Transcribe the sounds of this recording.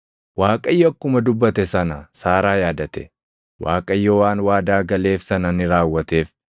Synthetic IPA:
waːkʼɐjːɔkːʊmɐd̪ʊbːɐt̪ɛsɐnɐsaːɾaːjaːd̪ɐt̪ɛ̰ | wa̰ːkʼɐjːɔwaːnwaːd̪aːɡɐle̞ːfsɐnɐnɪɾaːwːɐt̪eːf

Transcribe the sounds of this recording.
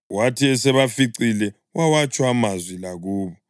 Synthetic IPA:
watʰiɛsɛβafiǀilɛ | wawat͡ʃʼwamazwilaɣuːβɔ

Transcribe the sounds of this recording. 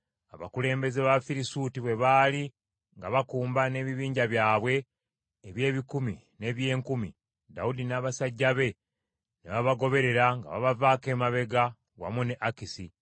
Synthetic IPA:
aβa̰kule̞ːmbe̞ze̞βafiɾisutiβwe̞βaːli | ŋɡaβakuːmbane̞ːβiβiːɲɟaβjaːβwe̞ː | βje̞ːβikumi | ne̞ːβje̞ːŋkumḭ | da̰udinaːβasaɟːaβe̞ | neβaβaɡo̞βe̞ɾe̞ɾaŋɡa̰βa̰βavaːke̞ːmaβe̞ɡa | wa̰muneʔakisi

